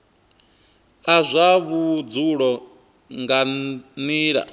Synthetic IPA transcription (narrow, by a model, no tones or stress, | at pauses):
azʷaβud͡zuɺɔ | ŋɡaniːɺa̰